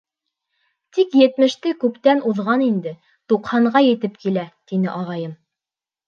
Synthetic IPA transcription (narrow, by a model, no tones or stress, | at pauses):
t̪ikjɘ̆t̪mɘ̆ʃt̪ɘkʉpt̪ænʔuðʁɑnind̪ɘ | t̪uqhɑɴɢɑjɘ̆t̪ɘpkilæt̪inɘʔɑʁɑjɤm